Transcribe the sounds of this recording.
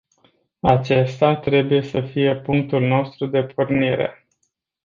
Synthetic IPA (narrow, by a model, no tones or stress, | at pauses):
at͡ʃe̞st̪at̪ɾe̞buje̞səfije̞puŋk̚t̪ulno̞st̪ɾud̪e̞pʰurniɾe̞̰